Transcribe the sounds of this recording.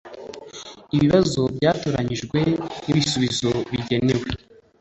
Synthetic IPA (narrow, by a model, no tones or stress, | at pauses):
iβiβazo̞bɟaːtoːɾaɲiʒɡwe̞niβisuβizo̞βiɟe̞newe